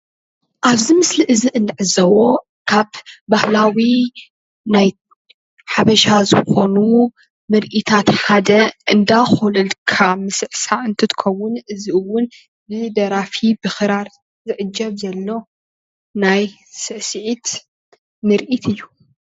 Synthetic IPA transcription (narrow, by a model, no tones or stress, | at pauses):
ʔaβzimɨsliʔɨziʔɨnd̪ɨʕɨzɐwo̞ | kʰaβbahlawi | naj | ħaβɐʃazɨxo̞nu | mɨɾʔit̪ʰat̪kʰad̪ɐʔɨnd̪axulɨlkʰamɨsɨʕsaɨnt̪ʰɨt̪ʰɨ̥kʰɐwʊnʔɨziɨwːʊn | bɨd̪ɐɾafibɨxɨɾaɾ | zɨʕɨd͡ʒːɐβzɐlːo̞ | naj | sɨʕsɨʕit̪ | mɨɾʔit̪ʰɨjːu